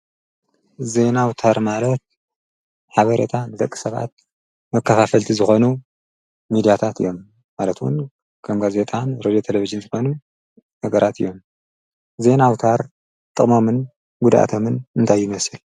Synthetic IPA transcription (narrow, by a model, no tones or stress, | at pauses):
ze̞nawt̪ʰaɾmalɐt̪̚ | ħaβɐɾḛt̪ʰand̪ɐkʼːi̥sɐβa̰t̪̚ | mɐkːɐfafɐlt̪ʰizɨxo̞nu | mid̪ijat̪ʰat̪ɨjo̞mː | alɐt̪wʊ̰n | kʰɐmɡaze̞t̪ʼanɾod̪ijot̪ʰelevid͡ʒɨnzɨxo̞nu | nɐɡɐɾʔat̪ʰɨjo̞m | ze̞nawt̪ʰaɾ | t̪ʼɨχʼmomɨn | ɡud̪ʔa̰t̪ʰo̞mɨnɨnt̪ʰajːɪmɐsɨl